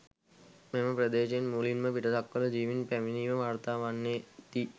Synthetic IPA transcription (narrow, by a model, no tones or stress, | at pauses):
meməpɾəd̪eːʃenmuːlinməpiʈəsakːələd͡ʒiːʋinpæminiːʋəʋʱaːɾt̪aːʋanːeːt̪i